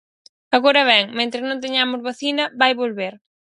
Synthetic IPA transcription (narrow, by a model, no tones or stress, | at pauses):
aɣoɾɐβɛŋmẽnt̪ɾɪnõŋt̪̬eɲamʊzβaθinɐβajβolβeɾ